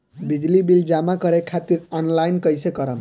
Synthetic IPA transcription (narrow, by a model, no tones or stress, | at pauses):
bid͡ʒlibild͡ʒamakʌɾekʰat̪iɾɔnlajnkʌjsekʌɾəm